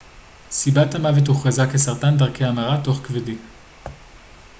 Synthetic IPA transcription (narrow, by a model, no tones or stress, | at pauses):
sibathamavetuχʁazakesaʁtandaʁkeamaʁato̞χkvedin